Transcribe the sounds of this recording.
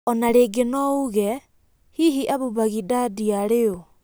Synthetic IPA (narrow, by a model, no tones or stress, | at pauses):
ɔnaɾeɡenɔuɣɛ | hiɦiʔaβuβaɣidadiaɾeo